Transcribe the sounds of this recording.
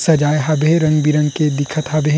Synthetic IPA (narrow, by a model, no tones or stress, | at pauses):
sɐd͡ʒaːjɦɐbeɾɐ̃ŋbiɾə̃ŋked̪ɪkʰət̪ɦɐbe